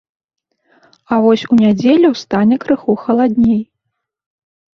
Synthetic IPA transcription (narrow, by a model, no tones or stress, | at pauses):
avɔsʲunʲad͡zʲelʲuwst̪anʲɛkɾɨxuxɐlˠad̪ʲnʲej